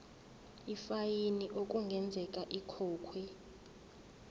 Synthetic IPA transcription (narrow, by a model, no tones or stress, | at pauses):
ifajiniʔok̬ʼuŋɡʱɛnd͡zʱɛkʼaʔikʰɔːkʰwɛ